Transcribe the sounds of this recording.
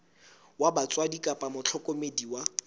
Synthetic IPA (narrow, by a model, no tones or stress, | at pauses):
wabat͡sʼwadikʼapʼamʊt͡ɬʰɔkʼomediwa